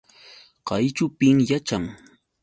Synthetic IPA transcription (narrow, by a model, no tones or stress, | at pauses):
qɑjt͡ʃʊpɪŋjat͡ʃaŋ